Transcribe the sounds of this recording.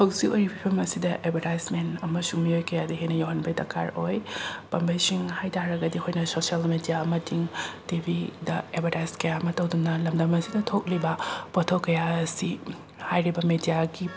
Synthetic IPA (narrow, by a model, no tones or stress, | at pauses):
hɐwziojɾipʰipʰɐmɐsidɐʔebʱɐɾajsmentɐmɐsuŋmiojkɐjadɐɦejnɐjowɦɐnbɐjtɐkʰa̰ɾojpɐmbɐjsiŋhajtʰaɾɐɡɐdikʰojnɐsosialmedijamɐtiŋtibʱidɐebʱɐɾajskɐjamɐtɐwdunɐlɐmdɐmɐsidɐtʰok̚libɐpotʰowkːɐjasi | hajɾibɐmedijaɡi